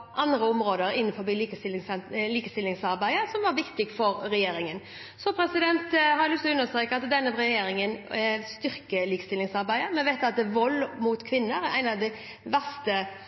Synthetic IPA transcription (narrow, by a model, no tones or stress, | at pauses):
ʔɑnd̪ɾəɔmɾoːd̪əɾɪnːənfɔɾbiːliːkəsɪlsɛliːkəst̪ɪlːɪŋsɑɾbæɪəsɔmʋɑɾʋɪkt̪ɪɡfɔɾɾɛjeːɾɪŋən | sɔpʰɾɛsɪd̪ɛnt̪ɦɑɾɛlʏst̪ɔʉnːəst̪ɾeːkəɑt̪d̪ɛnːəɾɛjeːɾɪŋənɛst̪ʏɾkəliːkə̥st̪ɪlɪŋsɑɾbæɪəmɛnʋæɪt̪ːɑt̪̚d̪ɛʋɔlːmuːt̪kʰʋɪnːəɾæʔæ̰ɪnɑʋd̪ɛɪ | ʋæʁst̪ə